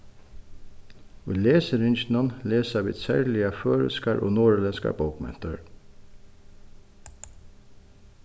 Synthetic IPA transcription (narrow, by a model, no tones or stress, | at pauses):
iːleːsəɾɪnçn̩ɑnleːsɑbɪ̰t̪sæ̰ɹlɪɑføːɹə̰skɑɹʔo̰ːnoːɹəlɛnskɑ̰bəʊkmɛ̰nt̪ə̰ɹ